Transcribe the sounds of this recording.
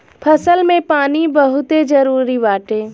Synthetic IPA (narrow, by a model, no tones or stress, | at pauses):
pʰɐsəlmẽpaːnibəɦʊt̪ed͡ʒɐɾuːɾiʋaːʈeː